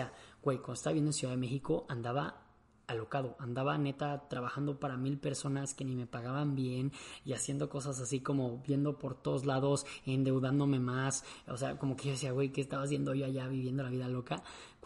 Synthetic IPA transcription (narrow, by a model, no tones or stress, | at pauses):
awejkomdoest̪aβaβjenonsjuðaðeme̞xiko̞ʔand̪aβaː | lo̞kað̞o̞ʔand̪aβane̞t̪at̪ɾaβaxand̪o̞paɾamilpe̞ɾso̞naske̞nĩme̞paɣaβambje̞niasje̞nd̪o̞ko̞sas̬asiko̞mo̞bje̞nd̪o̞po̞ɾt̪o̞ðo̞zlaðo̞se̞nd̪e̞wðand̪o̞me̞masosea̰ko̞mo̞keʝosiawe̞jkeːst̪aβazβje̞nd̪oʝoaʝaβiβje̞nd̪o̞laβiðalo̞ka